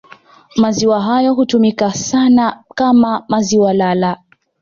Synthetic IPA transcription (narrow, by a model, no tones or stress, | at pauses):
maziwaɦajɔɦutumikasanakamamaziwalala